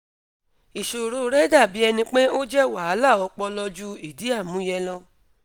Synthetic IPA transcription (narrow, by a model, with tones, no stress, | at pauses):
i˨ʃo˨ɾo˨˦ɾɛ˦da˦˨bi˨˦ɛ˧nĩ˧k͡pe˦o˦d͡ʒɛ˦wa˨a˨˦la˦˨ɔ˨˧k͡pɔ˧lɔ˧d͡ʒu˦i˨di˦a˦˨mũ˨˦jɛ˧lɔ˧